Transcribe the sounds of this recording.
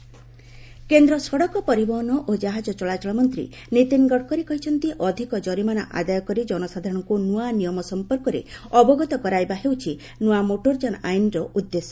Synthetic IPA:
kend̪ɾɔsɔɽɔkɔpɔɾibɔɦɔnɔʔod͡ʒaɦad͡ʒɔt͡ʃɔɭat͡ʃɔɭɔmɔnt̪ɾḭ | nit̪inɡɔɽkɔɾikɔɦit͡ʃʰɔnt̪iʔɔd̪ʱikɔd͡ʒɔɾimana̰ʔa̰d̪ajɔkɔɾid͡ʒɔnɔsad̪ʱaɾɔɽ̃ɔŋkunuanijɔmɔsɔmpɔɾkɔɾḛɔbɔɡɔt̪ɔkɔɾajbaɦewt͡ʃʰi | nuamoʈoɾd͡ʒanajnɾɔʔud̪ːesɔ̥

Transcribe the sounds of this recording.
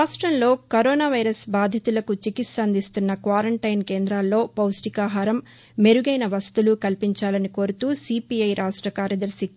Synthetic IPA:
ɾaːʂʈɾɐnlo̞ːkɐɾoːnaːʋɐjɾɐsbaːd̪ʱjɐt̪ulɐkut͡ʃikit̪sɐnd̪ʱist̪unːɐkʋaːɾɐɳʈɐjnkeːnd̪ɾaːlːo̞ːpɐwsʈikaːɦaːɾɐmː | e̞ɾuɡɐjnɐʋɐst̪ulukɐlpiɲt͡ʃaːlɐniko̞ːɾut̪uːsiːpiɐjɾʔaːʂʈɾɐkaːɾjɐd̪ɐɾsi

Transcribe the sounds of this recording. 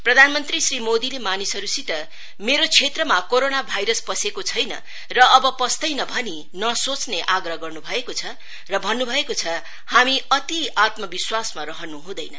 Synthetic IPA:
prʌd̪ʱanmʌnt̪risrimod̪ilemanisʌɾusiʈʌ | meɾot͡sʰet̪rʌmakoɾonabʱajɾʌspʌsekot͡sʰʌjnʌ | rʌʌbʌpʌst̪ʌjnʌbʱʌni | nʌsot͡sneʔaɡrʌɦɡʌrnubʱʌekot͡sʰʌ | rʌbʱʌnːubʱʌekot͡sʰʌ | hamiʌt̪iat̪mʌbiswasmaɾʌɦʌnuɦũd̪ʌjnʌ

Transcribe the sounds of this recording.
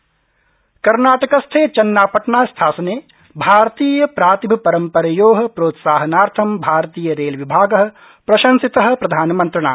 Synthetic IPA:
kɐɾnaːʈɐkɐst̪ʰeːt͡ʃɐnːaːpɐʈɳaːst̪ʰaːsɐneː | bʱaːɾt̪iːjɐpɾaːt̪ibʱɐpɐɾɐmpɐɾɐjoːɦɐ̆pɾoːt̪saːɦɐnaːɾt̪ʰɐmbʱaːɾt̪iːjɐɾeːlʋibʱaːɡɐɦɐ̆ | pɾɐʃɐ̃nsit̪ɐɦɐ̆pɾɐd̪ʱaːnmɐ̃nt̪ɾɐɳa̰ː

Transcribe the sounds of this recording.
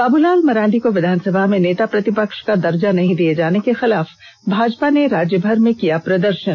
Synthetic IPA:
kaːbulaːlmɐɾãːɳɖikoʋɪd̪ʱaːnsɐbʱamẽneːt̪apɾɐt̪ɪpəkʃkad̪ɐɾd͡ʒanɐɦĩd̪ied͡ʒaːnekexɪlaːf | bʱaːd͡ʒpaneɾaːd͡ʒjəbʱɐɾmẽkijapɾɐd̪əɾʃən

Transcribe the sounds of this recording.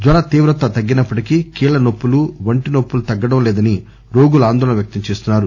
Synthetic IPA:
d̪ʋaːɭɐt̪iːʋɾɐt̪ːɐt̪ɐɡːinɐpːɐʈikikiːɭɐnopːuluʋɐɳʈinopːulut̪ɐɡːɐɽɐmlɛːd̪ɐni | ɾo̞ːɡuluaːnd̪ɔːlɐnɐʋjɐk̚t̪ɐmt͡ʃeːst̪unːaːɾu

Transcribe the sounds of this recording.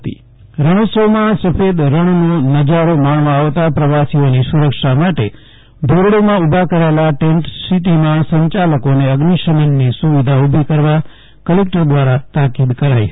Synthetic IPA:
ḭ | ɾəɽ̃osəmãsəfed̪ɾəɳ̃nonəd͡ʒaɾomaɳmãaʋt̪apɾəʋasionisuɾəkʃamaʈe | b̪ʱoɾɽomãubʱakəɾaelaʈeɳʈssiʈ̪imãsə̃ɲt͡ʃaləkoneəɡniʃənənːisuʋid̪ʱaubʱikəɾʋa | kəlek̚ʈəɾd̪ʋaɾat̪akid̪kəɾai

